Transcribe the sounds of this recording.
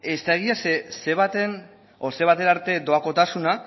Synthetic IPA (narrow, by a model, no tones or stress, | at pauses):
e̞st̪aeɣ̞iasese̞βat̪e̞n | ose̞βat̪e̞naɾt̪e̞d̪o̞ako̞t̪asuna